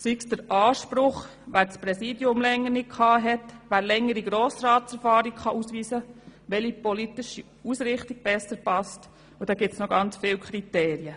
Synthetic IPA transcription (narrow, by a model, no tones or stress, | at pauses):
siksd̥əɾʔɑːʃpɾʊχ | ʋæːɾspɾɛsiːdjʊmlɛŋːəɾnɪt̚kʰɑːɦɛtʋæːɾlɛŋːəɾiɡɾɔːsɾɑːtsɛɾfɑːɾikχɑʔusʋiːsəʋɛlipɔlit̪ɪʃi | usɾɪχtiɡ̚b̥ɛsəɾpɑst | ud̥̪ɑːɡ̥ɪtsnɔɡɑnt͡sfɪːwkʰɾit̪ɛːɾjə